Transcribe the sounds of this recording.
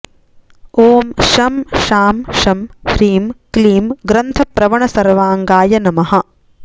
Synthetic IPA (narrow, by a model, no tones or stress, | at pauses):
oːmʃɐmʃaːmʃɐmhɾiːmkliːmɡɾɐnt̪ʰɐpɾɐʋɐɳɐsɐɾʋaːŋɡaːjɐnɐmɐɦɐ̆